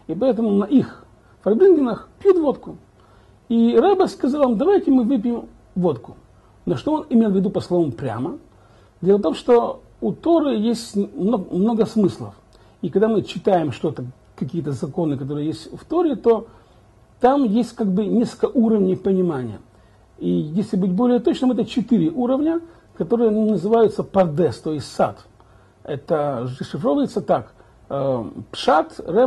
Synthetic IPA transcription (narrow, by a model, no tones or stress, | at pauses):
ipɐɛt̪̬əmʊnɐʔix | fɐrbʲlʲinɡʲɪnəxpʲjut̪vot̪kʊ | iɾabʲəskɐzalˠvamd̪ɐvajtʲɪmɨvɨp̬ʲjɪm | vo̞t̪kʊ̥ | noʂt̪oonɪmʲelˠvʲɪd̪upəslˠovəmpɾʲa̰mə | d̪ʲelˠəft̪o̞mʂt̪o | ut̪o̞ɾɨjesʲtʲmmno̞ɡəsmɨslˠə̰f | ikɐɡd̪amɨt͡ɕɪt̪ajɪmʂt̪o̞t̪ə | kɐkʲijət̪əzɐko̞nɨkɐt̪o̞ɾɨjəjesʲtʲft̪oɾʲɪt̪o̞ | t̪amjesʲtʲkaɡ̚bɨnʲesklkəəʔuɾəvnʲɪjpənʲɪmanʲɪ̰jə̰ | ijesʲlʲɪbɨt̚ʲbolʲɪjət̪ot͡ɕnɨmɛt̪ət͡ɕɪt̪ɨɾʲɪʔuɾəvnʲə | kɐt̪o̞ɾɨjənnəzɨvajʊt̪səpɐrd̪ɛst̪ojɪsʲtʲsa̰t̪ | ɛt̪əʐɨʂɨfɾovəjɪt̪sət̪ak | əpʂat̪rɛ